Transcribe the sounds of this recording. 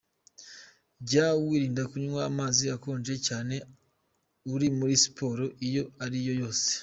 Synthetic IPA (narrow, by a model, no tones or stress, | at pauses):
ɟawiːɾiːndakuɲuŋwamaːziako̞ːnd͡ʒe̞caːne̞ | uɾimuɾisi̥pʰo̞ːɾo̞ʔijo̞aɾijo̞jo̞ːse̥